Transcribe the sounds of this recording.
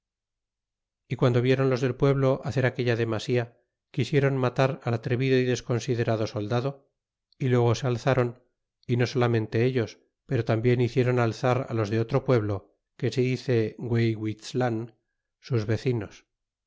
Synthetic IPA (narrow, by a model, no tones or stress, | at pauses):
ikwand̪o̞β̞je̞ɾo̞nlozðe̞lpwe̞βlo̞ʔaθe̞ɾake̞ʎaðe̞masia | kisje̞ɾo̞nmat̪aɾalat̪ɾe̞βiðo̞iðe̞sko̞nsið̞e̞ɾaðo̞so̞ld̪aðo̞ | ilwe̞ɣ̞o̞se̞alθaɾo̞n | ino̞so̞lamẽnt̪e̞eʎo̞s | pe̞ɾo̞t̪ambje̞niθje̞ɾo̞nalθaɾa̰lo̞zðe̞o̞t̪ɾo̞pwe̞βlo̞ | ke̞seiθe̞ɡwejɣwislan | suzβe̞θino̞s